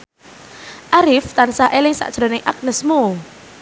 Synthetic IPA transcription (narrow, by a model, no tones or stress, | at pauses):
ʔaɾɪft̪ansaʔelɪŋsa̰ʔd̥ʒ̥ɾo̤nɪŋʔak̚nəsmu